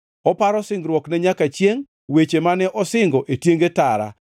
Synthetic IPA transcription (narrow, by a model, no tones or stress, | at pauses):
ɔpaɾɔsɪŋɡɾwɔknɛɲakat͡ʃjeŋ | wet͡ʃemanɛʔɔsɪŋɡɔʔetjeŋɡetaɾa̰